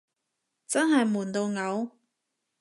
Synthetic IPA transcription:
t͡sɐ˥nɦɐ˨jmuː˨˩nt̪o˧wŋɐ˨˧w

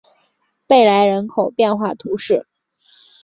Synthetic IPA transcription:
pe˥˩ɪla˧˥ɪɻə˧˥nkʰo˨˩ʊpjɛ˥˧nxwa˥˩t̪ʰu˧˥ʂɻ̩˥˩

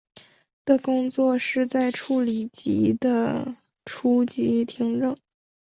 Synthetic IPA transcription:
t̪ə˩kʊ˥ŋt͡swɔ˥˧ʂɻ̩˥˧t͡sa˥˧ɪʈ͡ʂʰu˥˩li˨˩t͡ɕḭ˧˥d̪ə˧ | ʈ͡ʂʰu˥t͡ɕi˧˥t̪ʰi˧˥ŋʈ͡ʂɤ˥˩ŋ

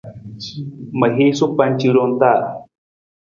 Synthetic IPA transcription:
məɦi˦su˦pa˧nt͡ʃiɾo˧nt̪a˦˨

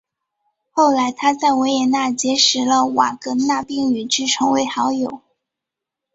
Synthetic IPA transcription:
xo˥˩ʊla˧˥ɪt̪ʰa˥t͡sa˥˩ɪwe˧˥ɪjɛ˧˩na˥˩t͡ɕjɛ˧˥ʂɻ̩˧˥lə˧wa˨˩kɤ˧˥na˥˧pi˥˩ŋy˨˩ʈ͡ʂɻ̩˥˩ʈ͡ʂʰɤ˧˥ŋwe˧˥ɪxɑ˧˥ʊjo˨˩ʊ

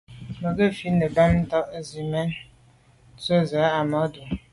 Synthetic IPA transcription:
mə˨ɡə˦˨fi˦nə˨ba˦mn̩˦tɔ˦ʔzi˨mɛ˦n | t͡swe˦˨za˨˦a˨mɔ˨˦du˨

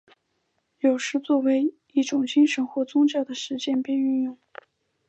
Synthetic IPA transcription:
jo˨˩ʊʂɻ̩˧˥t͡swɔ˥˩we˧˥ɪ | i˥˩ʈ͡ʂʊ˨˩ŋt͡ɕi˥ŋʂə˧˥nxwɔ˥˩t͡sʊ˥ŋt͡ɕjɑ˥˩ʊd̪ə˩ʂɻ̩˧˥t͡ɕjɛ˥˧npɛ˥˧ny˥˧njʊ˥˩ŋ

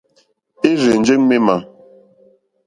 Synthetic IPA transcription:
e˦ɾe˨n˦d͡ʒe˦ŋme˦ma˨

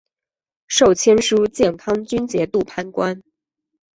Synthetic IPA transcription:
ʂo˥˩ʊt͡ɕʰjɛ˥nʂu˥t͡ɕjɛ˥˩nt̪ʰɑ˥ŋt͡ɕy˥nt͡ɕjɛ˧˥t̪u˥˩pʰa˥˩nkwa˥n

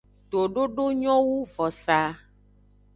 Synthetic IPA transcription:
t̪o˨ɖo˦ɖo˦ɲɔ̃˦wu˦vɔ˨sa˨

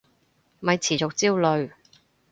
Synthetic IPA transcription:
mɐ˨˧jt͡sʰiː˨˩t͡sʊ˨k̚t͡siː˥wlɵ˨˧ɥ

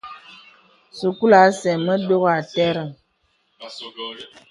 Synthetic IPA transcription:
su˨ku˦la˨˦sɛ˨mə˦do˦ɣa˨tɛ˦ɾə˨

